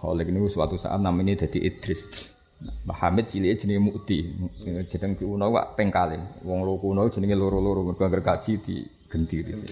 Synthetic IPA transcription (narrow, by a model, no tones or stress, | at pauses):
kɔ̰lɪkniwuswa̰t̪usa̰ʔa̰t̪̚naminid̪̥a̤d̪̥iʔid̪̥ɾɪs | maha̰mɪt̪̚t͡ʃilied̥ʒ̥ə̤nəŋemuʔd̪̥i̥d͡ʒ̥ə̤nəŋkuwunɔwa̰ʔpɛŋkalewɔŋlokuunɔu̥ʒ̥ə̤nəŋeluɾuluɾumərɡ̥aŋkərkḁt͡ʃit̪ḭɡ̥ə̤nt̪iɾḭs